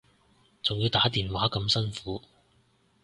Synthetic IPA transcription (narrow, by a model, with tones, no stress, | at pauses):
t͡sʊ˨ŋjiː˧wt̪aː˨˥t̪iː˨nwaː˨˥kɐ˨˧msɐ˥nfuː˨˥